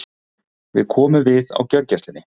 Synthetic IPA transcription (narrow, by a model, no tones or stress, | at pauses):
vɪðkʰɔːmʏvɪða̰wcœɾcɛst̪ɪnːɪ